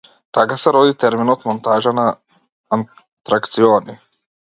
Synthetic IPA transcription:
t̪akasɛɾɔd̪it̪ɛɾminɔt̪mɔnt̪aʒanaː | n | t̪ɾakt̪sioni

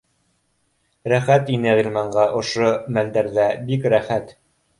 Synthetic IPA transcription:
ɾæχæt̪inɘʁilʲmɑɴɢɑʔŏʃomæld̪æɾðæbikɾæχæt̪

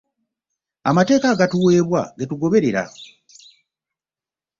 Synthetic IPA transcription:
amate̞ːkaɡatuwe̞ːβwa̰ɡetuɡo̞βe̞ɾe̞ɾa̰

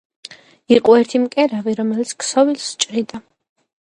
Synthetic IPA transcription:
iqʼɔɛɾt̪ʰimkʼɛɾaviɾɔmɛlit̪sʰksɔvilst͡ʃʼɾid̪a

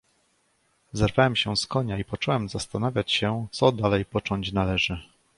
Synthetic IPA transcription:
zɛɾvawɛmɕɛskɔɲaipɔt͡ʂɛwɛmzast̪anavʲjat͡ɕɕɛt̪sɔd̪alɛjpɔt͡ʂɔɲt͡ɕnalɛʐɘ

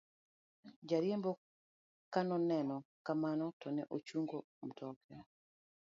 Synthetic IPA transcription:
d͡ʒaɾjembɔ | kanɔnɛnɔkamanɔtɔnɛʔot͡ʃuŋɡo | m̩tɔka

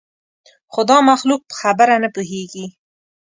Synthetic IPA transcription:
xʊd̪ɑmaxluk̚pə̥xabəɾanəpuɦeɡi

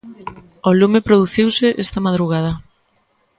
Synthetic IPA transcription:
ɔlumepɾoðuθiwseʔest̪ɐmaðɾuɣað̞ɐ

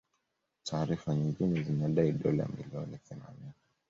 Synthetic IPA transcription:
tʰaːɾifaɲiŋɡinɛzinaɗaiɗɔla̰mḭliɔniθɛma̰nini

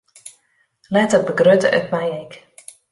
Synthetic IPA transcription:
lɛtər̚bəɡrøtəʔœ̰t̚mɛjek

